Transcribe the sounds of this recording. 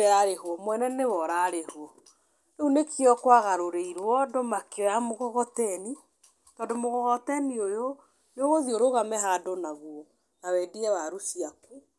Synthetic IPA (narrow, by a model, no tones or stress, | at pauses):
aɾeɦwɔmwɛnɛnewɔɾaːɾehwɔ | eunekiɔkwaɣaɾoɾeiɾwɔdomakeojamoɣɔɣɔtɛni | tɔːndomoɣɔɣɔtɛniojo | joɣoðioɾoɣamɛɦadonaɣwɔ | nawɛːdiɛwaɾusiaku